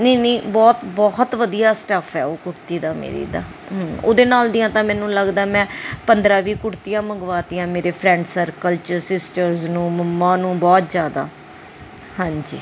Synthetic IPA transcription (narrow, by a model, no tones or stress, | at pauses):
neːniːbɔːt̪bɔːht̪ʋəd̪ijaːsʈəpʰɛ̰ːoːkʊɾt̪iːd̪aːmḛːɾḭːd̪a̰ː | ɦo̰ːd̪eːnaːld̪iːjãːt̪ãːmɛ̃ːnũːləɡd̪aɛmɛ̃ːpənd̪ɾãːʋiːkʊɽt̪iːjãːməŋɡʋaːt̪iːãːmeːɾeːpʰɾɛ̃ːɳɖsəɾkəlt͡ʃəsɪsʈəɾznũːməmːãːnũːbɔːt̪zjaːd̪a̰ː | hãːɲd͡ʒḭː